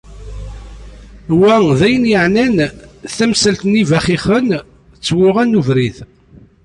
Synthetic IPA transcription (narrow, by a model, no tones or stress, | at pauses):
wæðæjənjəʕnænθæmsəlt̪nivæχiχən | t͡sːwʊʁænːuvɾiθ